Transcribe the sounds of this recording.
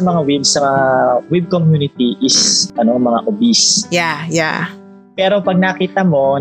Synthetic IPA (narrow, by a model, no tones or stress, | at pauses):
ɐmɐŋawibsɐmɐawib̚komjuːnɪt̪iʔɪsɐnomɐŋa̰ʔobisjaja | pɛːɾo̞pɐɡ̚nakiːt̪ɐmo̞